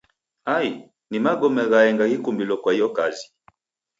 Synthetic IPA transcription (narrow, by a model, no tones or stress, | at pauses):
ai | nimaɡɔmɛɣaɛŋɡakikumbilɔkwaijɔkazi̥